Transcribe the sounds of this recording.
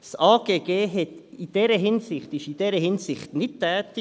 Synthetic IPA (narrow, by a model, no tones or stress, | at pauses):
saːɡ̥eːɡ̥eːɦɛtid̥ɛɾəɦɪnsɪχtɪʃid̥ɛɾəhɪnsɪχtnɪt̚tʰːɛːtɪ